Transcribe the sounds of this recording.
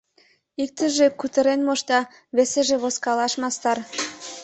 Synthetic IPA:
ik̚t̪ə̆ʒekut̪ə̆ɾenmoʃt̪ɑ | βeseʒĕβoskɑlɑʃmɑst̪ɑr

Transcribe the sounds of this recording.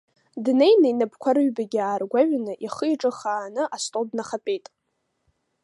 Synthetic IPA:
dne̞jnainabʰkʷʰaɾɨɥbaɡʲaːrɡʷaɥnɨʔiχəjʈ͡ʂʼɨχaːnɨʔastʼodnaχapʼejtʼ

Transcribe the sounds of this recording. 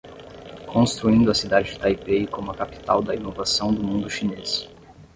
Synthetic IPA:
kʰõst̪ɾuĩnd̪ʊɐsid̪ad͡ʒɪd͡ʒɪt̪ajpeikõmʊɐkapi̥t̪awd̪ɐinovasɐ̃w̃d̪ʊmũnd̪ʊʃines

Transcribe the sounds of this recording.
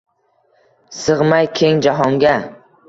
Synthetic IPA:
sɨʁmajkʲʰe̞ŋd͡ʒaɦɒŋɡʲa

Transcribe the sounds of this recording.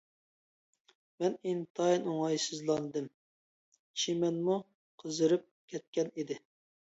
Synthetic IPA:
mɛnint̪ʰɑinoŋɑjsɨzlˠɑnɨd̪ɨm | ʃʰimɛnmu | qʰəzɨɾɨp̚kʲʰɛt̪̚kʲɛnid̪ɪ

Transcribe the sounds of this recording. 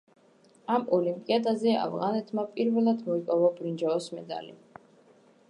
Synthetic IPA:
amɔlimpʼiad̪azɛa̰vʁanɛt̪ʰmapʼiɾvɛlˠad̪mɔikʼɔvɔbɾind͡ʒaɔsmɛ̰d̪a̰lḭ

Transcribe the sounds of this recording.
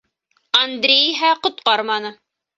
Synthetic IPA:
ɐnd̪ɾʲejiɦæqŏt̪̚qɑɾmɑnɤ

